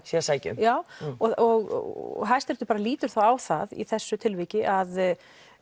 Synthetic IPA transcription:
sjɛsajcʏ̰mjaːwɔɔɣ̰ɦajst̪ɛɾt̪ʏpaːɾaliːt̪ʏɾ̥θawawθaðḭθɛsːʏt̪ʰɪlvɪːcɪʔað

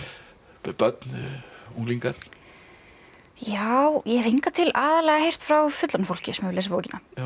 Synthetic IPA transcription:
pœt̪nuŋliŋkaɾ̥ | jaːwjɛɾijŋkat̪ʰɪlaːðalɛɣahejr̥t̪fɾawfʏt̪lanfowl̥cɪsmœːlɛːsɪpoːwcɪna

